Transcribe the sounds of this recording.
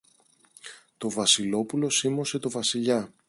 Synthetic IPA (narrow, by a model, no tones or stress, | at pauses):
t̪o̞vɐsilo̞pulo̞simo̞se̞t̪o̞vɐsiʎɐ